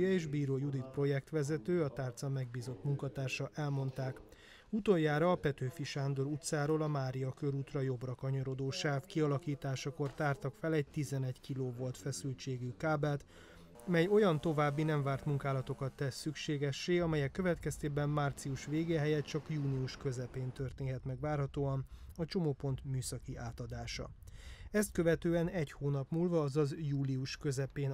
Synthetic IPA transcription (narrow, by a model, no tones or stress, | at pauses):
jɒeːʒbiːɾoːjud̪it̪̚pro̞jɛk̚t̪ʋɛzɛt̪øːɒt̪aːrt̪sɒmːɛɡbiːzo̞t̪muŋkɒt̪aːrʃɒʔɛlmo̞nt̪aːk | ut̪ojːaːɾɒːpɛt̪øːfiʃaːnd̪o̞ɾut̪saːɾoːlɒmaːɾiɒkø̞ɾuːt̪rɒjo̞brɒkɒɲoɾo̞d̪oːʃaːfkiɒlɒkiːt̪aːʃɒko̞rt̪aːrt̪ɒkfɛlɛɟ̚t̪izɛnɛɟkiloːvo̞lt̪fɛsylt͡ʃeːɡykaːbɛlt̪ | mɛjo̞jɒnt̪o̞vaːbːinɛɱvaːrt̪muŋkaːlɒt̪o̞kɒt̪ːɛsːykʃeːɡɛʃːeːɒmɛjɛkːø̞vɛt̪kɛst̪eːbɛmːaːrt̪siuʃʋeːɡeːɦɛjɛt̪t͡ʃɒkjuːniuʃkø̞zɛpeːnt̪ø̞rt̪eːnɦɛt̪mɛɡvaːrɦɒt̪oːɒnɒt͡ʃo̞moːpo̞nt̪myːsɒkiʔaːt̪ɒd̪aːʃɒ̰ɛst̪̚kø̞vɛt̪øːɛnɛchoːnɒpmuːlvɒːzɒzjuːliuʃkø̞zɛpeːn